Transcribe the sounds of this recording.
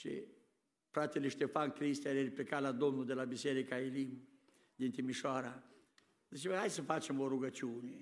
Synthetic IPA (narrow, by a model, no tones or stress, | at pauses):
t͡ʃḭ | pɾat̪iliʃt̪efankɾist̪ɛɾɛɾiplikalad̪ɔnːud̪elabisɛɾikailim | d̪int̪imiʃaɾa | d̪is̬iajsəfat͡ʃːimbɔɾuɡat͡ʃuni